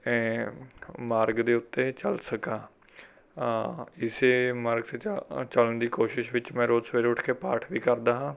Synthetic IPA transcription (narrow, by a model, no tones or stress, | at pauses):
maːɾɡd̪eːʊt̪ːeːt͡ʃəlsəkaː | ɪseːmaːɾɡt̪eːt͡ʃələɳd̪iːkoːʃɪʃʋɪt͡ʃmɛ̃ːɾoːd͡ʒsʋeːɾʊʈʰkeːpaːʈʰʋiːkəɾd̪aːɦãː